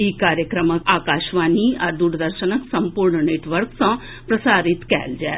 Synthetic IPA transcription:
iːkaːɾjəkɾəməkaːkaːʃʋaːniaɾd̪uːɾd̪əɾʃənəksɐ̃mpuɾɳneːʈʋəɾksɐ̃ | pɾɐsaːɾɪt̪kɛ̰ːld͡ʒɛː

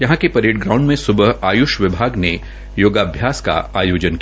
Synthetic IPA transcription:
jɐɦãkepɐɾeːʈ̚ɡɾãːʊ̃ɳɖmẽsʊbəɦaːjʊʃʋɪbʱaːɡne | joːɡaːbʱjaːska̰aːjoːd͡ʒənki

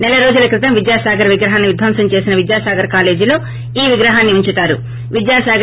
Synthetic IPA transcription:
nɛlɐɾo̞ːd͡ʒulɐkɾit̪ɐmʋid̪jaːsaːɡɐɾɐʋiɡɾɐɦaːnːiʋid̪ʱʋɐːmsɐɲt͡ʃe̞ːsinɐʋid̪jaːsaːɡɐɾkaːle̞ːd͡ʒilo̞ː | iːʋiɡɾɐɦaːnːiuɲt͡ʃut̪aːɾu | ʋid̪jaːsaːɡ

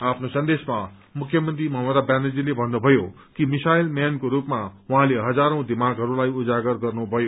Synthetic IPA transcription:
apʰnosʌnd̪esma | mukʰjʌmʌnt̪ɾimʌɦmʌd̪abaned͡zilebʱʌnːubʱʌjo | kimisajlmjankoɾupmawuɦãleɦʌd͡zaɾʌ̃w̃d̪imaɡɦʌɾulajud͡zaɡʌrɡʌrnubʱʌjo

